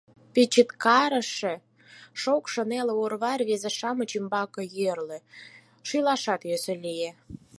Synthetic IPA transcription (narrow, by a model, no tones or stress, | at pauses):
pit͡ɕit̪kɑɾə̆ʃĕ | ʃokʃə̆neleorβɑrβezeʃɑmə̆t͡ɕimbɑkɤ̆jørlĕ | ʃylɑʃɑt̪jøsø̆lije